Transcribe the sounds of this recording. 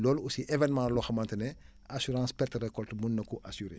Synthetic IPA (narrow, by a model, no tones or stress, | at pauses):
lɔlusiʔevɛnmãlɔxɐmantənɛ | asyɾãːspɛrtrekɔltmunːɐkuʔasyɾḛ